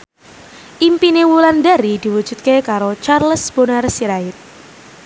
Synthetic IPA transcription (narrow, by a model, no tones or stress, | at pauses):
ʔimpinewuland̪aɾid̪̥i̤wud̥ʒ̥ṳt̪̚kekaɾot͡ʃarləsb̥o̤narsiɾaɪt̪̚